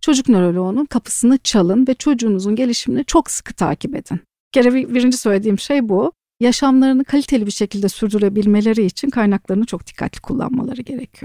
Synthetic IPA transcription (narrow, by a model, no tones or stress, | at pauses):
t͡ʃʰo̞d͡ʒuknøɾølʲonunkʰapʰɯ̥sɯnɯt͡ʃʰalˠɯnvɛt͡ʃʰo̞d͡ʒuːnuzunɟe̞lʲiʃiminɛt͡ʃʰo̞ksɯ̥kʰɯ̥t̪ʰa̰ːcʰibe̞d̪̥in | ɟ̥e̞ɾevibiɾind͡ʒisø̞jlʲe̞d̪iːmʃejbu | jaʃamlˠaɾɯnɯkʰalʲit̪ʰe̞lʲibiɾʃe̞cʰilʲd̪ɛsyɾd̪yɾe̞bilʲme̞lʲe̞ɾiːt͡ʃʰinkʰajnaklˠaɾɯnɯt͡ʃʰo̞k̚d̪i̥kʰːa̰t̪lʲi̥kʰulˠːa̰nma̰lˠa̰ɾɯɟe̞ɾɛcʰijo